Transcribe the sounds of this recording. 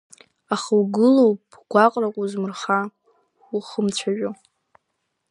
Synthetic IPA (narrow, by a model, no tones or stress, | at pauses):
aχawɡɨlowpʼ | ɡ̥ʷaqʼrakʷʼuzmɨrχa | χəmt͡ɕʷʰaʒᶣo